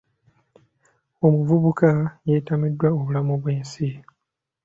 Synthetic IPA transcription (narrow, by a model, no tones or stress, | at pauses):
o̞muvuβukajetamidːwaoβulamuβweːnsi